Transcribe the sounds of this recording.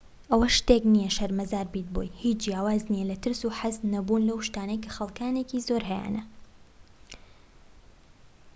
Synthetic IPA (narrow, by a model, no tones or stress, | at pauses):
ʔɐwɐʃt̪eknijɐʃɐɾmɐzaːɾbiːt̪̚bo̰jhiːt͡ʃd͡ʒjaːwaːznijɛlɐt̪ɨɾsuːħaznɐbuːnlɐwʃt̪aːnejkʰɐxɐlˠkaːnekiːzoɾɦɛja̰ːnɐ